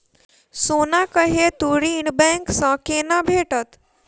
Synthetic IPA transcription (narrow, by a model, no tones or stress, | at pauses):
sonakəɦet̪uɾiɳbɛ̃ŋksə̃kenabʱeʈət̪